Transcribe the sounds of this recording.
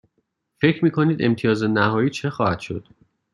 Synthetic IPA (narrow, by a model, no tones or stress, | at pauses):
fe̞cʰɾmiːkʰoniːd̪e̞̰mt̪ʰijɒːzenæhɒːiːt͡ʃʰexɒːhæd̪̥ʃo̞̰d̪̥